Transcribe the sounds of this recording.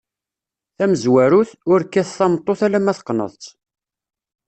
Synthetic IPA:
θæməzwæɾuθʊɾkːæθθɑmt̪ˤːoθælæmæθqːnə̰ðˤt͡s

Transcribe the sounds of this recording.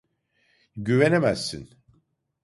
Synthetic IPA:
ɟyvenemæsːḭn

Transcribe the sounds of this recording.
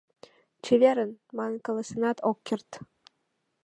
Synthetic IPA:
t͡ɕeβʲeɾə̆nmɑnkə̆ləsʲenɑt̪ʰokʲːert̪

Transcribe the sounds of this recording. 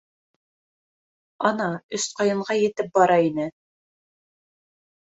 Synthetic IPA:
ɑnɑɵsqɑjɤ̆ɴʁɑjɘ̆t̪ɘp̚bɑɾɑinɘ

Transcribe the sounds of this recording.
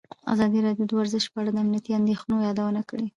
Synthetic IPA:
a̰zɑd̪iɾɑɖijod̪əwaɾzɪʃpəaɽad̪əamnijat̪iand̪exnojɑd̪awənakəɽe

